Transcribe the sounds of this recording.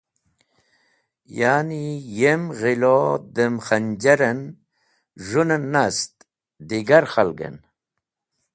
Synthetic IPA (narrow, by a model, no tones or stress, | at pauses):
jaːnijemɣilod̪əmχand͡ʑaɾen | ʐunenːast̪ | d̪iɡaɾxalɡḛn